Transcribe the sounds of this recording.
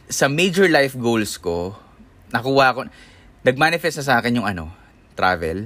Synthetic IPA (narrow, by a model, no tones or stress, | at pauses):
sɐmejd͡ʒɛɹlajfɡowlsko̞ | nɐkuːhɐʔɐko | nɐɡ̚maːnɪfɛst̪nɐsaːkɛnjʊŋʔɐno̞̰ | t̪ɾa̰ːvɛ̰l